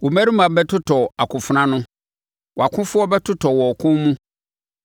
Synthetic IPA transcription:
wɔ˨mæ˦ɾĩ˦mã˨˦bɛ˦tʰʊ˦tʰɔ˨a˨kʰʊ̃˨fʊ˨nã˦nʊ̃˦ | wɔ˨a˨kʰʊ̃˦fʊ˦ɔ˦bɛ˦tʰʊ˦tʰɔ˨wɔ˨kʰʊ̃˦nmũ˦

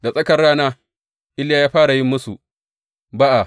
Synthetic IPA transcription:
da˨sʼɐ˦kɐ˨rɽaː˦naː˦ | ʔɪ˦laː˦jaː˦ɸaː˦ɽa˨jɪ˦mːʊ˦su˨ | ba˦ʔa˨

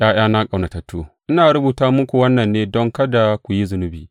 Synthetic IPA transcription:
j̰ʔaː˦j̰aː˦naː˦kʼa˨wna˨tɐ˨tːo˦ʔɪ˦naː˨ɾʊ˦buː˨taː˦mʊ˦kʷu˨wɐ˦nːɐ˨nːeː˦dɔ˦ŋkɐ˦da˨kʷu˨ji˦zʊ˨nʊ˦biː˨

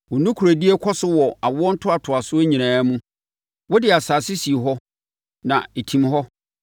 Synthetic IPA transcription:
wɔ˨nũ˦kʰu˨ɾæ˨di˦e˦kʰɔ˦sʊ˦wɔ˨a˨wʊ˦ɔ˦n̩˦tʰʊ˦a˨tʰʊ˨a˨sʊ˦e˦ɲĩ˨ñãː˨˦mũ˦ | wɔ˦dɪ˨a˨saː˨sɪ˦si˨e˨ɦɔ˦ | nã˨e˨tʰĩ˨mɦɔ˦

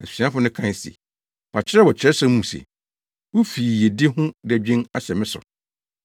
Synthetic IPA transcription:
æ˨su̥˨si˨˦ã˦fʊ˨nʊ̃˦kʰã˨sḭ˨ | pʰa˨t͡ɕʰɪ˦ɾɛ˦wɔ˨t͡ɕʰɪ˨˦ɛ˦sa˦mũ˨sḛ˨ | wʊ˦fiː˨je˨dɪ˦hʊ̃˦dæ˨d͡ʑᶣĩ˦na˨ɕɛ˨mɪ̃˦sʊ̰˨

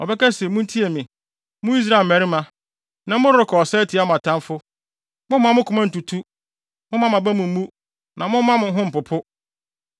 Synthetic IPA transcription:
ɔ̰˨bɛ˦ka˦se˨˦mʊ̃˦n̩˦tʰi˦e˨mɪ̃˨ | mʊ̃˦i˦s̬ɾa˦˨mæ˨ɾɪ˦mã˨ | nã˨˦mʊ̃˦ɪ˨˦kʰɔ˨ɔ˨sɛ˦tʰi˨˦a˦m̃˨a˨tʰã˦nfʊ˦ | mʊ̃˦m˦ã˦mʊ̃˦kʰʊ˨mã˦n̩˨tu˨tʰu˦ | mʊ̃˦mã˦mã˨bæ˦mʊ̃˨m̩˦mũ˦ | nʔã˨mʊ̃˦mã˦mʊ̃˨˦ɦʊ̃˦m̩˨pʊ˨pʰʊ˦

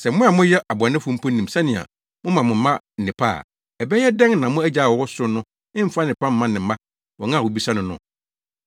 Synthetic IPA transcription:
sɛ˨m̩˦mʊ̃˦a˨mʊ̃˦jɛ˦ʔa˨bʊ˨a˨nɪ̃˦fʊ̃˦m̩˦pʰɔ˦n̩ː˨ĩ˨m˨sa˦nɪ̃˨a̰˨ | mʊ̃˦mã˨mʊ̃˨m̩˦mã˦n̩˨nɪ̃˨pʰa̰˦˨ | ɛ˨bɛ˦jɛ˦dɛ̃˦ŋnã˨˦mʊ̃˦æ˦d͡ʑa˨wɔ˨wɔ˦sʊ˦nʊ̃˦ | ɪ̃˦m̩˦fa˦n˨ɪ̃˨pa˦m̩ː˦ã˦nɪ̃˨m̩˨˦a˦ | wɔ˨ŋã˦˨wo˨bi˦sa˦nʊ̃˨nʊ̰̃˨

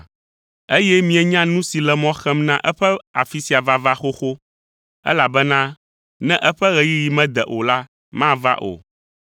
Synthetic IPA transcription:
e˦jɛ˦mĩ˨ɛ˨ɲã˦nũ˦si˨lɛ˨mɔ̃˦xɛ˦mnã˦ʔɛ˦ɸɛ˦a̰˨fi˦si˨a˨va˦va˦xo˦xo˦ | ɛ̰˦la˨bɛ˦nã˦ | nɛ̃˦ʔɛ˦ɸɛ˦ɣɛ˨ji˦ji˨mɛ̃˦d̪ɛ˨ʔo˨la˦ | mã˦va̰˦ʔo̰˨

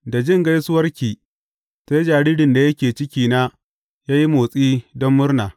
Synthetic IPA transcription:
da˨d͡ʒɪ˦˨ŋɡa˦jsʊ˦wɐ˦rkʲiː˨ | se˦d͡ʒaː˨ɽiː˦dɪ˨nda˨jɐ˦kʲeː˨t͡ʃɪ˦kʲiː˦na˦ | jaː˦ji˦moː˨sʼiː˦dɔ˦mːʊ˦rnaː˨

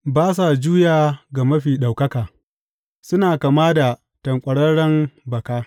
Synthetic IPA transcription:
baː˦s̬a˨d͡ʒuː˦jaː˨ɡa˨mɐ˦ɸiː˨ɗa˨wkɐ˦kaː˨ | sʊ˦naː˨kaː˨maː˦da˨ | tɐ˨ŋkʷʼɐ˨ɽɐ˦ɽɐ˦mbɐ˨kaː˦

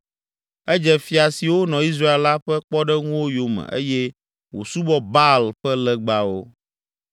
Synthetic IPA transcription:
ɛ˦d͡ʒɛ˨fi˨a˨si˨wo˦nɔ̃˨i˦s̬ɾa˦e˨lːa˦ɸɛ˦k͡pɔ˦ɖɛ˦ŋũ˦wo˦jo˨mɛ̰̃˨ʔḛ˦jɛ˦ | wo̰˨su˦bɔ˦ba˦lɸɛ˦lɛ˦ɡ͡ba˦wo˦

